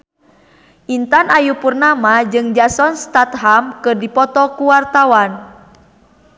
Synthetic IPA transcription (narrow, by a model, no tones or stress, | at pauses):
ʔint̪anajupurnamad͡ʒɨŋd͡ʒasɔnst̪at̪ɦamkɨrdipɔt̪ɔkuwart̪awan